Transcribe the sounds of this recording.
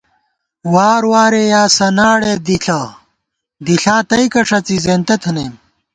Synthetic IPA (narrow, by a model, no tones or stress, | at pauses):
waːɾwaːɾejaːsɐnaːɽed̪iɬa | d̪iɬaːt̪ɐjkɐʂɐt͡sizeːnt̪ɐt̪ʰɐnem